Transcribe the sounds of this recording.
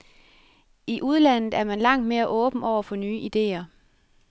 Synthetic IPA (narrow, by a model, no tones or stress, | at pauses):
iʔuð̞ˠlæn̰ð̩ˠæɐmænlɑ̈ŋ̰d̥me̝ːɐʔɔ̽ːb̥n̩ɒʊ̰ɐfɒ̽nyːʔid̥e̝̰ːɐ